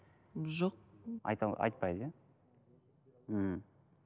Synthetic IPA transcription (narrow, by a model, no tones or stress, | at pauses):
ʒoq̚ɑ̰jt̪ɑʔɑ̰jt̪̚pɑjzja | əm̩